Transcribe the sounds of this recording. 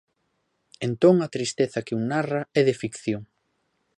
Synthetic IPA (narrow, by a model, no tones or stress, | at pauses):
ent̪oŋɐt̪ɾist̪eθɐkɪuŋnarɐɛðɪfikθjoŋ